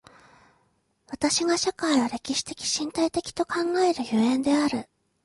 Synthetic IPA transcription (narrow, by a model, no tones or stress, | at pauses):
βat̪aɕiɡaɕakaiβaɾe̞kʲiɕi̥t̪e̞kʲi̥ɕĩnt̪ait̪e̞kʲi̥t̪o̞kãŋɡae̞ɾɯ̟joẽ̞nd̪e̞aɾɯ̟